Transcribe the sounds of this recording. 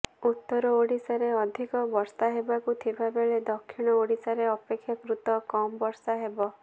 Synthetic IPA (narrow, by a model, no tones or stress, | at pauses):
ut̪ːɔɾɔoɽisaɾeɔd̪ʱikɔbɔɾsaɦebakut̪ʰibʱabeɭed̪ɔkʰːiɽ̃ɔoɽisaɾeɔpekʰːjakɾut̪ɔkɔmɔbɔɾsaɦebɔ